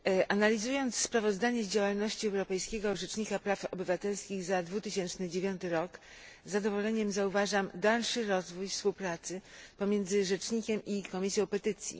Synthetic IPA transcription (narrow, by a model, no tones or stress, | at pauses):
ʔanalʲizujɔnt̪sspɾavɔzd̪aɲɛd͡ʑawalnɔɕt͡ɕiɛwɾɔpɛjskʲɛɡɔʐɛt͡ʂɲikapɾafɔbɘvat̪ɛlskʲiɣzad̪vut̪ɘɕɛnt͡ʂnɘd͡ʑevʲjɔnt̪ɘɾɔk | zːad̪ɔvɔlɛɲɛmzauvaʐamd̪alʂɘɾɔzvujfspuwpɾat̪sɘpɔmʲjɛnd̪zɘʐɛt͡ʂɲikʲɛmʔikɔmʲisʲjɔ̃w̃pɛt̪ɘt̪sʲjḭ